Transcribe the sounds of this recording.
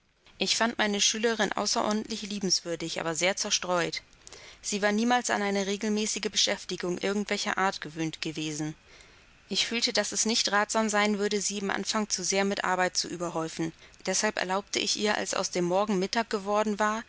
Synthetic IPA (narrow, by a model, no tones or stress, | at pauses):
ʔɪçfantmʔaɪnəʃyːləʁɪnʔa̰ʊsɐʔɔ̰ɐdn̩tlɪçliːbm̩sv̥ʏɐdɪçʔa̰ːbɐzeːɐt͡sɛɐʃtʁ̥ɔʏt | z̥iːvaːɐniːmaːlsa̰nʔaɪnəʁeːɡl̩mɛːsɪɡəbəʃɛftɪɡʊŋʔɪɐɡŋ̩tv̥ɛlçɐ̰ʔaːɐtɡ̥əvøːntɡ̥əveːzn̩ | ʔɪçfyːltədasɛsnɪçtʁaːtz̥aːmzaɪnvʏɐdəziːɪmʔa̰nfaŋt͡suzeːɐmɪtʔa̰ɐbaɪt̚t͡suʔyːbɐɦɔʏfn̩d̥ɛshalpʔɛ̰ɐlaʊp̚tʰəʔɪçʔḭːɐʔa̰lsʔa̰ʊsd̥eːmːɔɐɡŋ̩mɪtaːk̚ɡ̥əvɔɐdn̩vaːɐ